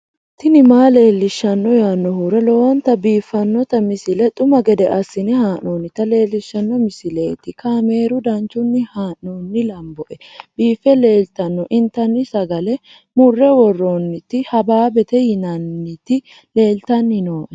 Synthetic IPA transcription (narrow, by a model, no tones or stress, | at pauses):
t̪ɪnɪmaːle̞ːlːɪʃːɐnːɔjaːnːɔhuːɾɐlɔwɐnt̪ɐbiːfːɐnːɔt̪ɐmɪsɪlɛt̪ʼʊmɐɡɛd̪ɛʔɐsːɪnɛɦaːʔoːnɪt̪ɐle̞ːlːɪʃːɐnːɔmɪsɪle̞ːt̪ɪkaːme̞ːɾʊd̪ɐnt͡ʃːʊnːɪhaːʔoːnːɪlɐmbɔʔɛb̥iːfːɛle̞ːlt̪ɐnːɔʔɪnt̪ɐnːɪsɐɡɐlɛ | mʊrːɛwɔrːoːnːɪt̪ːɪhɐbaːbɛt̪ɛjɪnɐnːɪt̪ɪ | le̞ːlt̪ɐnːɪnoːʔɛ